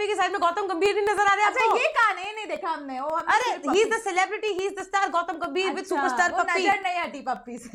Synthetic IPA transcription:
pikes̬aːɪd̪mẽɡɔːt̪əmɡɐ̃mbʱiːɾinɐzəɾaːɾɐeaːpːjekanɐĩnɐ̃ɦĩd̪eːkʰaɦɐmneoɐmɐɾeɦiːzd̪əsɛlɛbɾɪʈiɦiːzd̪ɐsʈaːɾɡɔːt̪əmɡɐ̃mbʱiːɾʋɪd̪suːpəɾsʈaːɾɐpːiənɐĩaʈiːpɐpːis

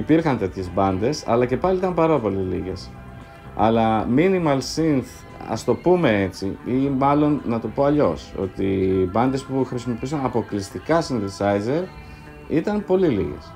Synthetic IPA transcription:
ipiɾxɐnt̪e̞t̪çe̞zbɐnd̪e̞sɐ̰lɐce̞pɐliit̪ɐmpɐɾɐpo̞liliʝe̞s | ɐ̰lɐminimɐlsinθ | ɐ̰st̪o̞pume̞e̞t͡siimɐlo̞nːɐt̪upo̞ɐʎo̞so̞̰t̪ibɐnd̪e̞spuxɾisimo̞piusɐnɐpo̞klist̪ikɐsinðisɐjze̞ɾ | it̪ɐnpo̞lilḭʝe̞̰s

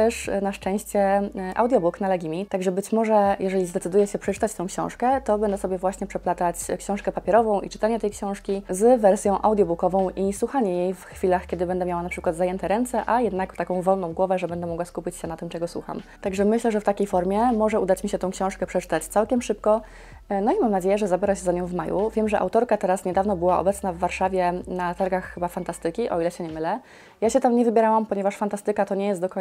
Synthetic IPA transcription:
t̪ɛʂnaʂt͡ʂɛ̃ɕt͡ɕɛʔa̰wd̪jɔbuknalɛɡʲimʲit̪aɡʐɛbɘt͡ɕmɔʐɛjɛʐɛlʲizd̪ɛtsɘd̪ujɛɕɛpʂɛt͡ʂɘ̥t̪at͡ɕt̪ɔ̃w̃kɕɔ̰̃w̃ʂkɛt̪ɔbɛnd̪ɛsɔbjɛvwaɕɲɛpʂɛplat̪at͡ɕkɕɔ̃w̃ʂkɛpapʲjɛɾɔvɔ̃w̃ʔḭt͡ʂɘ̥t̪aɲɛt̪ɛjkɕɔ̃w̃ʂkʲizvɛɾsʲjɔ̃w̃ʔawd̪jɔbukɔvɔ̃w̃ʔiswuxaɲɛjejfxfʲilaxkʲjɛd̪ɘbɛnd̪ɛmʲjawanapʂɘ̥kwad̪zajɛnt̪ɛɾɛnt̪sɛʔajɛd̪nakt̪akɔ̃w̃vɔlnɔ̃w̃ɡwɔvɛʐɛbɛnd̪ɛmɔɡwaskupʲit͡ɕɕɛnat̪ɘmt͡ʂɛɡɔswṵxa̰mt̪aɡʐɛmɘɕlɛʐɛft̪akʲejfɔɾmʲjɛmɔʐɛud̪at͡ɕmʲiɕɛt̪ɔ̃w̃kɕɔ̃w̃ʂkɛpʂɛt͡ʂɘ̥t̪at͡ɕt̪sawkʲɛmʂɘp̚kɔ | nɔimamnad͡ʑejɛʐɛzabʲjɛɾaɕɛzaɲɔ̃w̃vmajṵvʲjɛmʐɛʔa̰wt̪ɔɾkat̪ɛɾasɲɛd̪avnɔbɘwaɔ̰bɛt̪snavːaɾʂavʲjɛnat̪aɾɡaxːɘbafant̪ast̪ɘkʲiʔɔilɛɕɛɲɛmɘlɛ | jaɕɛt̪amɲɛvɘbʲjɛɾawampɔɲɛvaʂfant̪ast̪ɘkat̪ɔɲɛjɛst̪d̪ɔkɔ

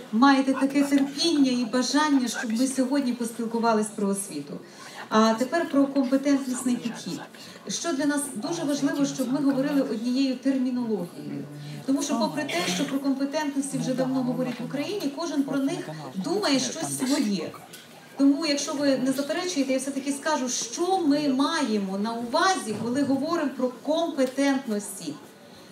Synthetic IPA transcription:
mɑjet̪ɛt̪ɐkɛt̪erpʲinʲːɐibɐʒɑnʲːɐʃt͡ʃɔbmɪsʲɔɦɔdʲnʲipɔsʲpʲilˠkʊʋɑlˠɪsʲpɾɔːsʲʋʲit̪ʊ̰ | ɐt̪epɛrpɾɔkɔmpet̪ɛnt̪nʲisʲnɪjpʲid̪̥xʲid̪̥ | ʃt͡ʃɔd̪lʲɐnɑsd̪uʒɛʋɐʒlˠɪʋɔʃt͡ʃɔbmɪɦɔʋɔɾɪlˠɪʔɔdʲnʲijɛjʊt̪ermʲinɔlˠɔɦʲijɔ̰jʊ̰ | t̪ɔmuʃt͡ʃɔpɔpɾet̪ɛʃt͡ʃɔpɾɔkɔmpet̪ɛnt̪nɔsʲtʲiwʒɛd̪ɐwnɔɦɔʋɔɾʲitʲʋʊkɾɐjinʲikɔʒɪnpɾɔnɪxd̪umɐjɛʃt͡ʃɔsʲsʋɔjɛ | t̪ɔmujɐkʃt͡ʃɔʋɪnezɐpeɾɛt͡ʃʊjet̪ɛjawsɛt̪ɐkʲɪskɑʒʊʃt͡ʃɔmɪmɑjemɔnɐʊʋɑzʲikɔlˠɪɦɔʋɔɾɪmpɾɔkɔmpet̪ɛnt̪nɔsʲtʲi

